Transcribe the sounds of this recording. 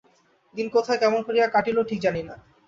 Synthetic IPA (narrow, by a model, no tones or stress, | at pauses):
d̪inkot̪ʰaekɛmonkʰoɾiakaʈiloʈʰik̚d͡ʑanina